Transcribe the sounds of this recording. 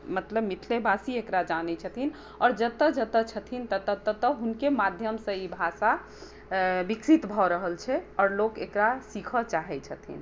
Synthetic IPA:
mət̪ləbmit̪ʰlebʱasiekɾad͡ʒanɛt͡ʃʰət̪ʰin | ɔːɾd͡ʒət̪əd͡ʒət̪ət͡ʃʰət̪ʰint̪ət̪ət̪ət̪əɦunkemad̪ʱjəmsə̃ibʱasa | biksit̪bʱɔɾəɦəlt͡ʃʰɛɔːɾlokekɾasikʰət͡ʃaɦɛt͡ʃʰət̪ʰḭn

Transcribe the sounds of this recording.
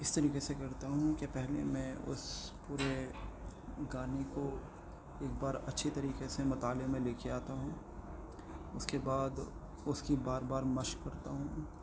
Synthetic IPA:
ɪst̪ɐɾiːqesekɐɾt̪aɦũkepɛɦlḛmɛ̃ʊ̰spuːɾe | ɡaːniko | eːk̚baːɾɐ̰tːʃʰit̪ɐɾiːqesemɐt̪aːlemẽleːkʰeaːt̪aɦũː | ʊskebaːd̪ | ʊskibaːɾbaːɾmɐʃkɐɾt̪a̰ɦũː

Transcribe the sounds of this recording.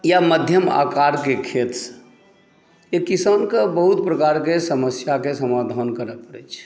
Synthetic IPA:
jaməd̪ʱjəma̰kaɾkekʰet̪sə̥ | jekisankebəɦut̪pɾəkaɾkesəməsjakesəmad̪ʱankəɾəpəɾɛ̰t͡ʃʰ

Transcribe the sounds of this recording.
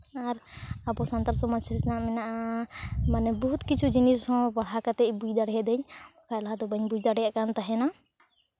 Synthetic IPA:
aɾabɔsant̪aɾsɔmasisnaʔmɛnaʔamanɛbɔɦut̪kit͡ʃʰud͡ʒinishɔ̃baɽ̤akat̪ɛbud͡ʒd̪aɽɛd̪ɛɲkaɛlad̪ɔbəɲbud͡ʒd̪aɽɛjaʔkant̪aɦɛna

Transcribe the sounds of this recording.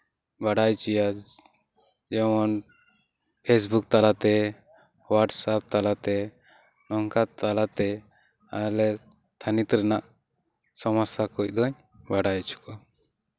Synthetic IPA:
baɽajt͡ʃija | d͡ʒɛmɔn | pʰes̬buk̚t̪alat̪ɛ | waɾʈsap̚t̪alat̪ɛ | nɔŋkat̪alat̪ɛ | alɛ | t̪ʰanit̪ɾɛnaʔ | sɔmɔsakɔc̚d̪ɔɲ | baɽajt͡ʃʰu̥kɔ

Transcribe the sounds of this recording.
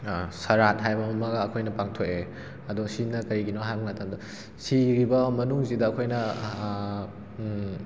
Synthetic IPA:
sɐɾat̚ɦajbɐmɐmɐɡɐːkʰojnɐpaŋtʰoke | ɐdusinɐkɐɾiɡinoɦaŋmɐtɐmdɐ | siɾibɐmɐnuŋzidɐːkʰojnɐ

